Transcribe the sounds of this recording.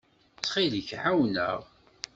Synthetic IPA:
t͡sːχiðçħawnə̰ʁ

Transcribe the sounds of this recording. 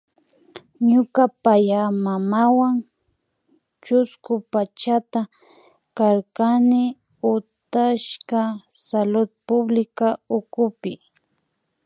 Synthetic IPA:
ɲʊkapajamamawaŋ | t͡ʃʊskʊpat͡ʃat̪a | kaɾkanɪ | ʊt̪aʃkasalʊd̪̚pʊblɪkaʊkʊpɪ

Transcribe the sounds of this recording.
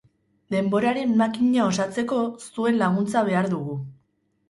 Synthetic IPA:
d̪e̞mbo̞ɾaɾe̞mːakiɲao̞sat͡se̞ko̞st̪ue̞nlaɣ̞unt͡saβ̞e̞aɾðuɣu

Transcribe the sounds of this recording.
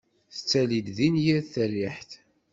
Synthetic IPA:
θə̥t͡sːælid̪ðinjiθəriħθ

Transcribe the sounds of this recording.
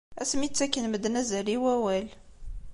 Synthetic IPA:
æsmit͡sːækːənməd̪næzæliwæwæl

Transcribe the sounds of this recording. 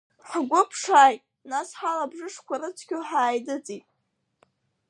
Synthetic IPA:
ħaɡʷʊpʰʂaːjtʼ | nasħalabʐɨʂkʷʰaɾɨt͡sʷʰkʲʰʊħaːjdɨt͡sʼitʼ

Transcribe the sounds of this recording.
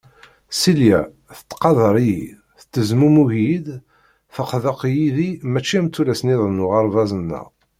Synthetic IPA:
siljæ̰ | θə̥t̪ːqɑðˤəɾˤijḭ | θə̥t̪ːəzmumuhid̪ | fəqðəqjiðimæt͡ʃːimt̪ːulæsniðˤənuʁɑɾˤvɑzˤənːə̰ʁ

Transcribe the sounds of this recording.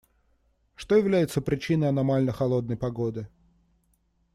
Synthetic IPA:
ʂt̪o̞jɪvlʲæjɪt̪səpɾʲɪt͡ɕinəjɐnɐmalʲnəxɐlˠo̞d̪nəjpɐɡo̞d̪ɨ

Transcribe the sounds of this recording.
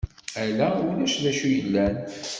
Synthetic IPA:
ælæwlæʃðæʃujəlːæn

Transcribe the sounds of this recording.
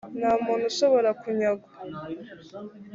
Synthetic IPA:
naːmuːn̥huʃoβo̞ɾakuɲaɡa

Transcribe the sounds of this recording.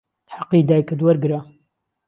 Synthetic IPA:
ħaqːiːd̪aːjkɨd̪wɐɾɡɨɾa

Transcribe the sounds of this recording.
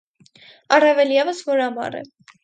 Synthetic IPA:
ɑrɛvɛljɛvəsvɔɾɑmɑ̰rɛ̰

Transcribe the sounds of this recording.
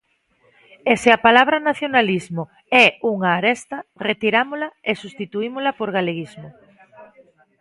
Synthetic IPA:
eseapalaβɾanaθjonalizmo | ɛuŋaːɾɛst̪ɐret̪iɾamolɐesust̪it̪uimolɐpoɾɣaleɣizmʊ

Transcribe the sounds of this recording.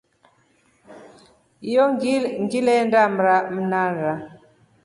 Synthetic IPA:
jɔŋɡilɛndamɾam̩naɾa

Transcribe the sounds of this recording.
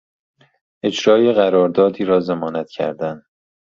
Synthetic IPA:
ʔe̞d͡ʒɾɒːjeɣæɾɒːɾd̪ɒːd̪iːɾɒːzemɒːnæt̪cʰæ̰ɾd̪æn

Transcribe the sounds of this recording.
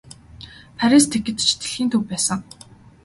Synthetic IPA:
pʰæɾist̪ʰekɘ̆t̪t͡ɕʰi̥t̪ɘ̆ɮxiːnt̪ʰɵwpæːsə̆ŋ

